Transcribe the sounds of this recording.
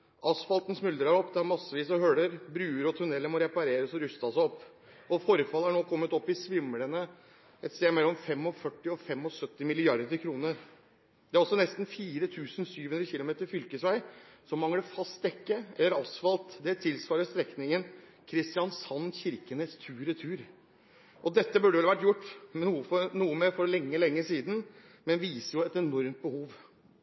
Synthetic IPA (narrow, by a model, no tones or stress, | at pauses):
ʔɑsfɑlt̪n̩smʉld̪ɾɑɾɔpd̪ɛæɾmɑsːəʋiːsɔhøːɽəɾbɾʉːəɾɔt̪ʰʉnɛlːəmɔɾɛpɑɾeːɾəsɔɾʉst̪ɑsɔpː | ɔfɔɾfɑlːəæɳoːkʰɔmːət̪ɔpːɪsʋɪmːələnə | ɛt̪st̪eːmɛlːɔmfɛmːɔfœʈːɪɔfɛmːɔsœt̪ːɪmɪlɪɑɾd̪əɾkʰɾuːnəɾ | d̪ɛæɾɔsːɔnɛst̪n̩fiːɾət̪ʰʉːsnsyːʋhʉnd̪ɾəçɪlʊmeːt̪əɾfʏlkəsʋæɪsɔmːɑŋːəɖəfɑst̪ɛkːəɛlːəɾɑsfɑlt̪d̪ɛt̪ʰɪlsʋɑːɾəst̪ɾɛknɪŋən | kʰɾɪst̪ɪjɑnsɑnːçɪɾkənheːst̪ʰʉːɾət̪ʰʉːɾ | ʔɔd̪ɛt̪ːəbʉɖəʋɛlʋæʈːjʊʈːnuːəfɔnuːəmeːfɔɾlɛŋːəlɛŋːəsiːd̪n̩ | mɛnʋiːsəɾjʊɛt̪ɛnɔɾmt̪̚bəhuːʋ